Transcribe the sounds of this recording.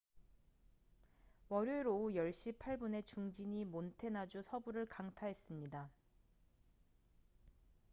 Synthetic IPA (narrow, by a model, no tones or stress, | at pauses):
mʌɾjoeɾoujʌɭɕ͈ipʰaɭbune̞t͡ɕuŋd͡ʑiɲimontʰe̞nad͡ʑusʰʌbuɾɯɭkaŋtʰaɦe̞s͈ɯmɲida